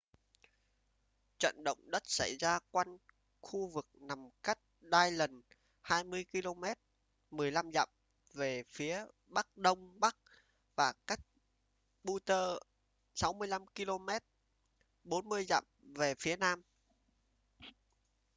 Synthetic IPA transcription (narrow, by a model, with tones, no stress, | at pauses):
t͡ɕə̰˧˨nɗə̰˧˨wŋ͡mɗə˦˥t̚sa˧˩jzaː˧kwa˧n | xu˧vɨ˨˩k̚na˨˩mka˦˥k̚ɗaː˧jlə˨˩n | haː˧jmɨ˧əjki˧lo˧mɛ˦˥t̚ | mɨ˨˩əjla˧mza̰˧˨m | ve˨˩fi˨˦ə | ɓa˦˥k̚ɗə˧wŋ͡mɓa˦˥k̚ | vaː˨˩ka˦˥jk̚ | ɓu˧t̪əː˧ | sa˨˦wmɨ˧əjla˧mki˧lo˧mɛ˦˥t̚ | ɓo˨˦nmɨ˧əjza̰˧˨mve˨˩fi˨˦ənaː˧m